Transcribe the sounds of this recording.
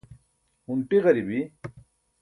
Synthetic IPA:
huɳʈiʁɐɾibi

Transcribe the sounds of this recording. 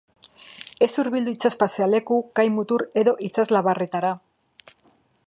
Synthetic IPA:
e̞suɾβild̪uit͡saspaseale̞kukajmut̪uɾe̞ðo̞ʔit͡sazlaβare̞t̪aɾa

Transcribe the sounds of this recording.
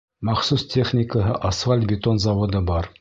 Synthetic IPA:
mɑχsustʲeχnʲɪkəɦɤʔɐsfalʲt̪̚bʲɪt̪onzɑwod̪ɤbɑɾ

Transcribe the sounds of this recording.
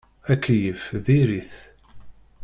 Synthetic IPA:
ækːjəfðiɾiθ

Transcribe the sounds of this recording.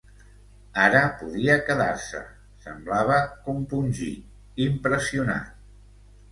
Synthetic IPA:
aɾəpuðiəkəðaɾsə̰ | sə̰mblaβəkumpunʲʒḭ | impɾəsiuna̰

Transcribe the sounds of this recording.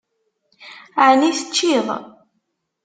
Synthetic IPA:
aʕniθət͡ʃːiðˤ

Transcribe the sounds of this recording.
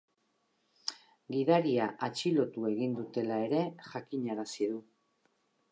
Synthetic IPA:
ɡiðaɾiaʔat͡ʃilo̞t̪ue̞ɣ̞ind̪ut̪e̞lae̞ɾe̞ʝakiɲaɾasiðu

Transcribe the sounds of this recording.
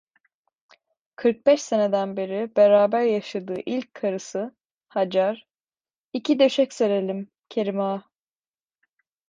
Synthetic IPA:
kʰɯɾk̚bɛʃse̞ned̪ænbeɾibeɾaːbæɾjaʃad̪ɯːʔilʲc̚ʲkʰːaɾɯsɯ | had͡ʒaɾ | icʰid̪e̞ʃɛcseɾe̞lʲim | cʰe̞ɾimaː

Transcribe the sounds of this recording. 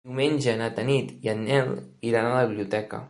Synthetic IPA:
iwmenʲd͡ʒənat̪ənit̪ianːɛliɾanaləββiβliut̪ɛkə̰

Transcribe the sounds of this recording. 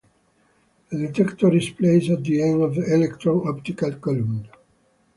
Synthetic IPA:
əd̪et̪ɛkt̪ɔɾispleɪzæt̪̚d̪iẽndɔvðiɛlɛkt̪ɹɔ̃nɔpt̪ikalkɔlũmn

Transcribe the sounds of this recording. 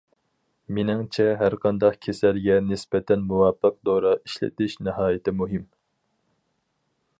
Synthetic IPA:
menɪŋt͡ʃʰɛɦæɾqʰɑnd̪ɑqkʲʰesælɡʲɛnɪsbɛt̪ʰɛnmuwɑpʰːəq̚d̪oɾɑiʃlɪ̰t̪ʰɪʃnɨɦɑːjɪt̪ʰɪmuɦɪm

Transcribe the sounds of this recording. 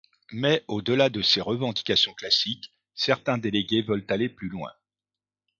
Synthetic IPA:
mɛod̪əlad̪əseʁəvɑ̃d̪ikʲasjɔ̃klasik | sɛʁt̪ɛ̃d̪eleɡʲevœlt̪aleplylwɛ̰̃

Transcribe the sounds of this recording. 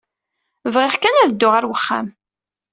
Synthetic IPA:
vʁɪʁkænæðd̪ːʊʁaɾwəχːa̰m

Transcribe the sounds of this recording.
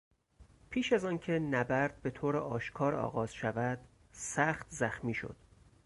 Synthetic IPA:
pʰiːʃæzɒːncʰe̞næbæɾd̪̥̚be̞t̪ʰoːɾeʔɒːʃkʰɒːɾɒ̰ːɣɒːz̥ʃævæd̪̥ | sæxt̪zæxmiːʃo̞̰d̪̥

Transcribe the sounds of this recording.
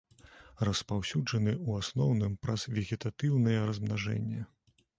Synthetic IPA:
rɐspawsʲud͡ʐɐnɨuasnɔwnɨmpɾɐz̥vʲɛɣʲɛt̪at̪ɨwnɨjɛɾɐzmnaʐɛ̰nʲːɛ

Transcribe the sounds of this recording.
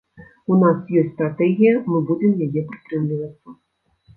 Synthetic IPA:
unasjɔsʲtʲst̪ɾat̪ɛɣʲijɐmɨbud͡zʲɛmjajɛpɾɨ̥t̪ɾɨmlʲivɐt̪sːɐ

